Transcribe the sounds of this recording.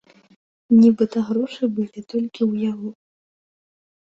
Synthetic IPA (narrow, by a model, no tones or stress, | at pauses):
nʲibɨt̪ɐɣɾɔʂɨbɨlʲit̪ɔlʲkʲiwjaɣɔ